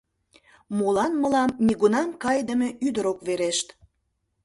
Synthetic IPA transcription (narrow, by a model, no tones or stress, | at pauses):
molɑnməlɑmːiɣunɑmkɑjd̪əme̽yd̪əɾokβeɾeʃt̪